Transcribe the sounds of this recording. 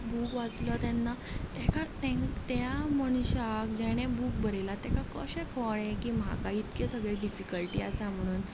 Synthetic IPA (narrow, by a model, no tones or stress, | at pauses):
buːkʋat͡slɔt̪ɛnːa | t̪ɛkat̪ɛ̃ŋt̪aməɳ̃ɕak̚d͡ʑɛɽ̃ebuk̚bəɾelat̪ɛkakəɕẽkʰɔɭekiːmɦa̰kait̪kesəɡɭeɖifikəlʈiːasam̤əɽ̃uːn